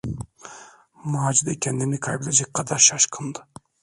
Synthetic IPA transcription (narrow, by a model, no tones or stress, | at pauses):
muad͡ʒid̪ɛkʲʰɛnd̪inikʰɑjbed̪ɛd͡ʒɛk̚ʲkʰɑd̪ɑɾʃɑʃkʰɯnd̪ɯ